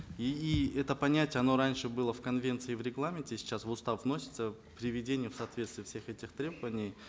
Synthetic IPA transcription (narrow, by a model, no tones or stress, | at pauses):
iiɛt̪əpɐnʲætʲjəɐno̞ɾanʲʂɨbɨlˠəfkɐnvʲe̞nt̪sɨɪvɾʲɪɡlˠamʲɪntʲɪsʲɪ̥t͡ɕːasvʊst̪afvno̞sʲɪt̪sə | pɾʲɪvʲɪdʲenʲɪjʊfsɐːt̪vʲet̪st̪vʲɪjfsʲe̞xɛtʲɪxt̪ɾʲe̞bəvənʲɪj